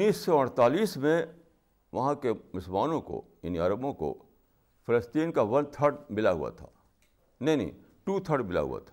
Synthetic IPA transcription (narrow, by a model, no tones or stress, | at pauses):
nːiːsːɔɐɽ̃t̪aːliːsmẽ | ʋɐɦãkemʊsəlmaːnõko̰jɐ̰niaːɾəbõko̰ | pʰɐləsʈiːnkaʋɐ̃nt̪ʰəɾɖmɪlaɦṵa̰t̪ʰa̰ː | nɐɦinɦḭ̃ | ʈut̪ʰəɾɖmɪla̰ɦṵa̰t̪ʰa